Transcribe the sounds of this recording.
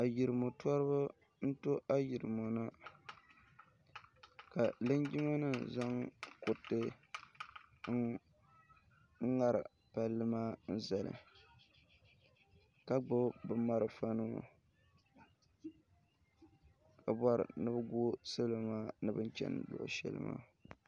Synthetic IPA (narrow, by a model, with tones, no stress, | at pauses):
a˨ji˨ɾɨ˨mo˨tɔ˦ɾɨ˦ba˦ | n̩˦to˦ʔa˦ji˨ɾɨ˨mo˨nɨ˦ | ka˨lɨ˦ɲd͡ʒi˦ma˦nɨ˦za˦ŋkʊ˨tːɨ˦ | ŋ̩˦ | ŋa˦ɾɨ̰˨ | pa˦lːɨ˦maː˦n̩˦za˨lɨ̰˨ | ka˦ɡ͡bʊ˦bɨ˦ma˦ɾɨ˦fa˦nɨ̰˦˨ | ka˨bɔ˦ɾɨ̰˨nɨ˦bɨ˦ɡu˦sɨ˦lo˨maː˦nɨ˦bɨ˦n˦t͡ʃɛ̰˦n̰˨lʊ̰˨ʔʊ̰˨ʃɛ̰˦˨lɨ̰˦ma̰ː˦